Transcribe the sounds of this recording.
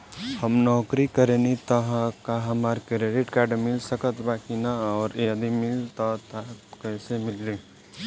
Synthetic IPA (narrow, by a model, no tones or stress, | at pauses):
həmnɔːkɾikəɾẽːnit̪ɐɦãkaɦɐmaɾkɾeɖɪʈkaːɾɖmɪlsəkət̪baːkinaɔːɾed̪imɪlt̪ɔt̪ʰat̪kɛːsemɪlɾi